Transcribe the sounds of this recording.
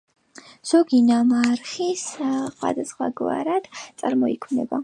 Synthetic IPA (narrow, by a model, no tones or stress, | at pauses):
z̥ɔɡinamaɾχisχwa̰d̪asχwaɡwa̰ɾad̪̥t̪sʼaɾmɔikʰwnɛ̰ba